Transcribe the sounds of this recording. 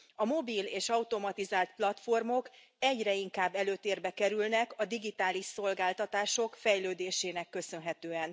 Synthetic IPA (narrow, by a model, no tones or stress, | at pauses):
ɒmo̞biːleːʃɒut̪o̞mɒt̪izaːlt̪plɒt̪fo̞rmo̞k | ɛɟrɛiŋkaːbːɛløːt̪eːrbɛkɛɾylnɛkɒd̪iɡit̪aːliʃso̞lɡaːlt̪ɒt̪aːʃo̞kfɛjløːd̪eːʃeːnɛkːø̞sø̞nɦɛt̪øːɛn